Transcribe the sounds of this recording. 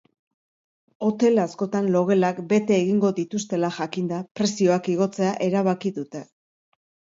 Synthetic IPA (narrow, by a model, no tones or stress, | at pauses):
o̞t̪e̞lasko̞t̪anlo̞ɣe̞lakbe̞t̪e̞ːɣiŋɡo̞ðit̪ust̪e̞laʝakind̪apɾe̞sio̞akiɣ̞o̞t͡se̞aʔe̞ɾaβ̞akiðut̪e̞